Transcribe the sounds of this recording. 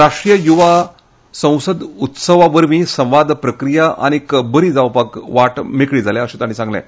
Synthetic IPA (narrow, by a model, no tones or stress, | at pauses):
ɾaʂʈɾijəjuʋa | sə̃w̃səd̪ut̪səʋaʋəɾmĩːsə̃w̃ʋad̪ʱpɾəkɾijaʔa̰ñikbəɾiːd͡zaʋpakʋaʈmekɭiːd͡zʱalɛ̃əɕẽt̪aɽ̃ĩsãŋɡlɛ̰̃